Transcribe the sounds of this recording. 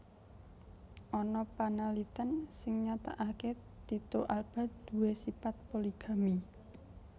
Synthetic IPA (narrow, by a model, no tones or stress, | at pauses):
ʔɔnɔpanalit̪ənsɪŋɲat̪a̰ʔaket̪it̪oʔalb̥a̤d̪̥ṳwesipat̪̚poliɡ̥a̤mi